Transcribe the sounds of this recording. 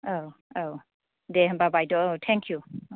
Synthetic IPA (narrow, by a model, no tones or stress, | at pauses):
owo | deɦbabajtɔowtʰɛŋkʰju